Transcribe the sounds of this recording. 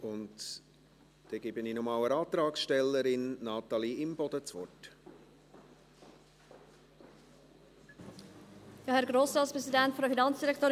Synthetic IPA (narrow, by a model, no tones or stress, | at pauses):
ʊnt | d̥ɛɡ̥ɪbəniːnɔmɑwəɾɑːt̪ɾɑːksʃtɛlːəɾɪnnɑːt̪ɑliɪmbɔd̪̥ət͡svɔt | jɑːhɛɾɡɾoːsɾɑːspɾɛszidæntfɔdəfinɑnt͡sd̥iɾɛkt̪oːɾ